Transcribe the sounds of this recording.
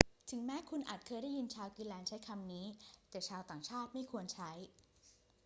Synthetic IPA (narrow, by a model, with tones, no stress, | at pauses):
t̪ʰɯ˩˦ŋmɛː˦˥kʰu˧nʔa̰ː˨˩t̪̚kʰɤː˧jɾa˥˩ji˧nt͡ɕʰaː˧wkiː˧lɛː˧nt͡ɕʰa˦˥jkʰa˧mniː˦˥t̪ɛː˨˩t͡ɕʰaː˧wt̪aː˨˩ŋt͡ɕʰaː˥˩t̪̚ma˥˩jkʰu˧ənt͡ɕʰa˦˥j